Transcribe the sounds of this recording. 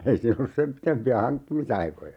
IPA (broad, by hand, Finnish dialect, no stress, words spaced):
ei siːn olːus sem pitempiæ hɑŋkːimisɑikojɑ